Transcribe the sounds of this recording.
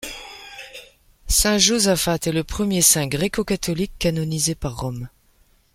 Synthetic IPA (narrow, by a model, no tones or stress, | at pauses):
sɛ̃ʒozafat̪ɛləpχəmjesɛ̃ɡʁɛkokat̪ɔlikːanɔnizepaʁːɔm